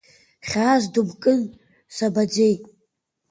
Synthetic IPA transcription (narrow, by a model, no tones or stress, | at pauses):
χʲaːzdubkʼɨn | sabad͡ʒe̞j